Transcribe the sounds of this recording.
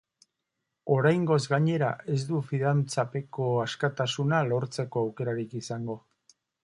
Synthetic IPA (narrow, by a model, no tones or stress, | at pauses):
o̞ɾajŋɡo̞zɡaɲe̞ɾa̰e̞zd̪ufiðant͡sape̞ko̞askat̪asunalo̞ɾt͡se̞ko̞awke̞ɾaɾikisaŋɡo̞